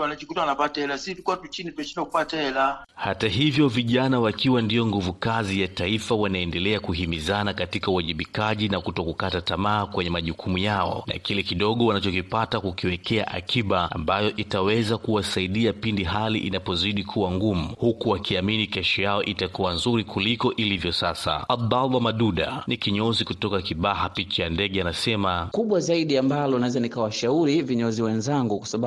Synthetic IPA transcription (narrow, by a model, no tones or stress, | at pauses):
wanat͡ʃikutawanapataɛlasitukuatut͡ʃinitɛʃinakupataɛlahataɦivjɔviʄanawakiwandijɔŋɡuvukazijataifawanaɛndɛlɛakuɦimizanakatikauwaʄiɓikaʄinakutɔkukatatamaːkwɛɲɛmaʄukumujaɔ̰na̰kilɛkiɗɔɠɔwanat͡ʃɔkipatakukiwɛkɛa̰ʔa̰kiɓaa̰mbajɔʔitawɛzakuwasaiɗiapindiɦaliʔinapɔziɗikʰuwaŋɡumuhukuwakʰiaminikɛʃɔjaɔʔitakuwanzuɾikulikɔʔilivjɔsasa̰ad̪alwamaɗuɗa̰nikiɲɔzikutɔkakiɓaɦapit͡ʃajandɛɠɛanasɛmakuɓwazaiɗiambalɔnaɛzanikawaʃauɾiviɲɔziwɛnzaŋɡukwasaɓa